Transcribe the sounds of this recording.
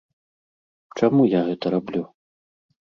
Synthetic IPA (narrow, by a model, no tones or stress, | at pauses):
t͡ʂamujaɣɛt̪ɐɾablʲu